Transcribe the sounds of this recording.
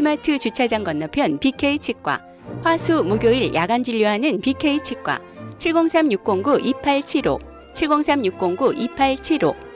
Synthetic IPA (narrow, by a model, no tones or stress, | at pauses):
sʰɯmatʰɯt͡ɕut͡ɕʰad͡ʑaŋɡwʌnːapʰjʌnpikʰeit͡ɕʰik̚k͈wa̰ | ɸwasʰumuɡjoiɭjʔaɡand͡ʑiʎːoɦanɯnpikʰe̞it͡ɕʰik̚k͈wa̰ | t͡ɕʰiɭɡoŋsʰamjuk̚k͈oŋɡuʔipʰaɭt͡ɕʰiɾo̰ | t͡ɕʰiɭɡoŋsʰamɲuk̚k͈oŋɡuʔipʰaɭt͡ɕʰiɾo